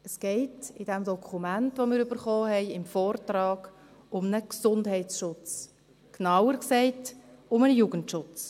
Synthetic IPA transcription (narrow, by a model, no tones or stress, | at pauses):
əsɡ̥ɛɪtɪdɛmd̪ɔkʰχumæntʋomɪːɾybəɾχɔːɦɛɪɪmfɔːrtɾɑːɡ̥ | ʊmnəksʊndɦɛɪsʃʊt͡s | knɑwəɾksɛɪtʊmənjuːɡəntʃʊt͡s